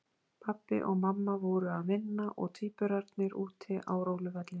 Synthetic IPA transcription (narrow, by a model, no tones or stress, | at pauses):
pʰapːɪ̰ʔɔɣmamːavoːɾʏaðvɪnːaʔɔ̰ɣt̪ʰiːpʏɾaɾt̪nɪɾuːt̪ʰɪaːwɾoːwlʏvɛt̪lɪn